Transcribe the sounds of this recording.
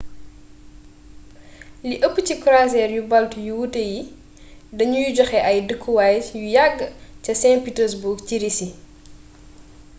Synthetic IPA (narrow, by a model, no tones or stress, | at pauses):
liʔəpːəcikɾasɛːrjubɐltjuwuteji | dɐɲujuɟɔxɛʔɐjdəkʰːuwaːjjujaɡːcɐsɛnpitɛsbuɡciɾisi